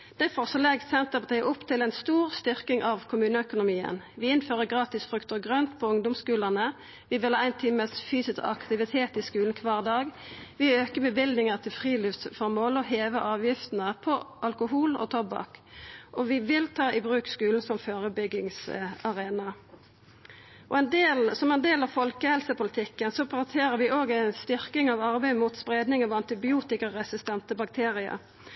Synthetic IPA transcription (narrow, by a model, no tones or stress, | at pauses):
d̪̥æɪfɔʁsɔlɛɡssɛnt̪əpɑt̪ʰɛʔʊpːt̪ʰɪlɛɪnst̪uːʁst̪ʏʁkɪŋʔɑʋkʰʊmʉːnəœkʊnʊmiːə̰n | ʋɪɪnføːʁəɡʁɑːt̪ɪsfʁʉkt̪əʁɡʁœnt̪pʰɔʊŋd̪ʊmskʉːlənə | ʋɪʋɪlhɑæɪnt̪ʰiːməsfyːsɪskɑ̰kt̪ɪʋɪt̪ʰeːt̪ɪskʉːln̩kʰʋɑːʁd̪ɑːɡʋɪøːkəbɛbɪld̪nɪŋəʁt̪ʰɪlfʁiːlɪft̪sfɔʁmoːlɔɦeːʋəʔɑːʋjɪft̪nəpʰɔʔɑlkʊɦuːlɔ̰t̪ʰɔbɑ̰kʔɔʋɪʋɪlt̪ʰɑːʔɪbʁʉːkskʉːln̩sɔmføːʁəbʏɡɪŋsɑʁeːnɑ | ʔɔ̰ɛnd̪eːlsɔmɛnd̪eːlɑʋfɔlkəhɛlsəpʊlət̪ʰɪkːənsɔpʰt̪ʰeːʁəʋɪʔoːɡæɪnst̪ʏʁkɪŋɑʋɑʁbæɪmut̪spʁeːd̪nɪŋɑʋɑnt̪ɪbɪuːt̪ɪkəʁʁɛsɪst̪ɛnt̪əbɑk̚t̪ʰeːʁɪə̰